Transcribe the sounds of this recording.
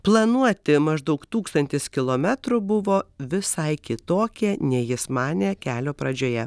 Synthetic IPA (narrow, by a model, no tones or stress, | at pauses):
plˠɐnuɔt̪ʲɪmɐʒd̪ɐʊkt̪uːkst̪ɐnʲt̪ʲɪskʲɪlˠoːmʲɛt̪ɾʊbʊʋoːʋʲɪsɐɪkʲɪt̪oːkʲɛːnʲɛjɪsmɑːnʲekʲæːlʲoːpɾɐd͡ʒʲoːjɛ